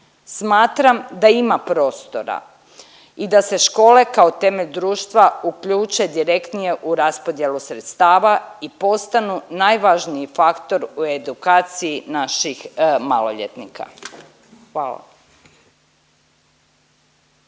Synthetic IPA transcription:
smaːt̪ɾamd̪aimapɾo̞ːst̪o̞ɾa̰ | id̪ase̞ʃko̞ːle̞kao̞t̪e̞me̞ʎd̪ɾuːʃt̪ʋaukʎuːt͡ʃe̞d̪iɾekt̪nije̞ʔuɾaspo̞d̪je̞lusɾet̪st̪aːʋaipo̞st̪anunajʋaʒniifakt̪o̞ɾue̞d̪ukaːt̪sijinaʃixmaloʎḛt̪nikʰa̰ | xʋaːla̰

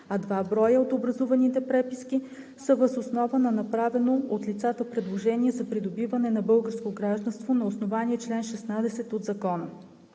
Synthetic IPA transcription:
ɐd̪vabɾɔjəot̪obɾɐzuvɐnit̪ɛpɾɛpiski | səvəzosnɔvənɐnɐpɾavɛnoot̪lʲit̪sat̪əpɾɛd̪lˠoʒɛniɛzɐpɾid̪obivɐnɛnɐbɤlˠɡəɾskoɡɾaʒd̪ɐnst̪vonɐosnovaniɛt͡ʃlɛnʃɛsnad̪ɛsɛt̪od̪zɐkɔnə

